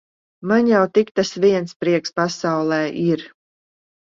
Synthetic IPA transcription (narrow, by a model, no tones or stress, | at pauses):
manjawt̪ikt̪asviɛnspɾiɛkspasawlˠɛːʔiɾ